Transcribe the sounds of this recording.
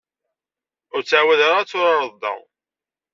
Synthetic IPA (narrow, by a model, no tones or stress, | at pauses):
ʊɾt͡sːʕawæðaɾˤat͡sːʊɾɑɾˤəd̪ɑ̰